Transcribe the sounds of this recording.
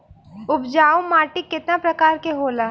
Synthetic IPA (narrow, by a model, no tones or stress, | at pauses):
ʊbd͡ʒaːwmaːʈɪkːɪt̪napɾɐkaːɾkeɦoːlaː